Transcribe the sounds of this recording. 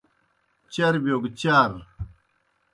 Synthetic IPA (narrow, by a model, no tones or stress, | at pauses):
t͡ɕɐɾbjoɡt͡ɕaɾ